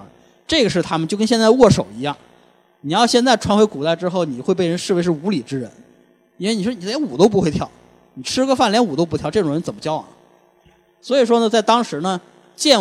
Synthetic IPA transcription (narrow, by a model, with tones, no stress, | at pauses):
ʈ͡ʂɤ˥˩ɡə˩ʂ̬ɻ̩˥˩t̪ʰa˥mə˨nt͡ɕjo˥˩ʊkə˥nɕjnt͡sa˥˧ɪwɔ˥˩ʂo˨˩ʊi˧˥jɑ˥˩ŋ | ni˨˩jɑ˥˧ʊɕjɛ˥˧nt͡sa˥˩ɪʈ͡ʂʰwa˧˥nxwe˧˥ɪku˨˩t̪a˥˩ɪʈ͡ʂɻ̩˥xo˥˩ʊni˨˩xwe˧p̬e˥˩ɪɻə˧˥nʂɻ̩˥˩we˧˥ɪʂɻ̩˥˩u˧˥li˨˩ʈ͡ʂɻ̩˥ɻə̰˧˥n | i˥˩ɪni˨˩ʂwɔ˥ni˨˩ljɛ˧˥nu˨˩t̪o˥ʊp̬u˧˥xwe˥˧ɪjɑ˥˩ʊ | ni˨˩ʈ͡ʂʰɻ̩˥ɡə˥fa˥˩nljɛ˧˥nu˨˩t̪o˥ʊp̬t̪ʰjɑ˥ʊʈ͡ʂɤ˥˩ʈ͡ʂʊ˨˩ŋɻə˧˥nt͡sə˨˩nmə˦t͡ɕjɑ˥ʊɐ̰˨˩ | swɔ˧˥i˨˩ʂ̬wɔ˥nə˨t͡sa˥˩ɪt̪ɑ˥ŋʂɻ̩˧˥nə˧ | t͡ɕjɛ˥˩n